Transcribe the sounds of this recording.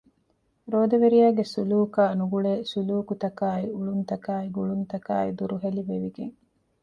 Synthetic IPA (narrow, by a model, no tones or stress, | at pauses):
ɾoːd̪eʋeɾijaːɡesuluːkaːnuɡuɭeːsuluːkut̪ɐkaːiuɭunt̪ɐkaːiɡuɭunt̪ɐka̰ːid̪uɾuɦeliʋeʋiɡḛŋ